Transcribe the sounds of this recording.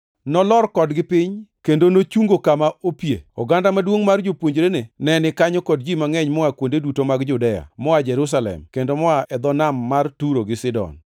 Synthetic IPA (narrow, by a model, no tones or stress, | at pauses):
nɔlɔrkɔdɡɪpɪɲkendonot͡ʃuŋɡokamaopjḛɔ̰ɡandamadwoŋmard͡ʒopwoɲd͡ʒɾenenɛnɪkaɲɔkɔd̚d͡ʒimaŋɛɲmɔakwondedutomaɡd͡ʒʊdɛja̰mɔad͡ʒɛɾus̬alɛ̰mkendomɔaʔɛd̪ɔnamːartuɾoɡɪsɪdɔ̰n